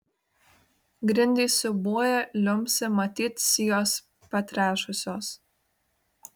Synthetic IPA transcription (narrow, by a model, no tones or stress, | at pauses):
ɡɾʲɪnʲd̪ʲɛːsʊbuɔjɛlʲʊmʲsʲɪmɐt̪ʲiːt̪sʲijoːs | pɐt̪ʲɾʲæːʃʊsʲoːs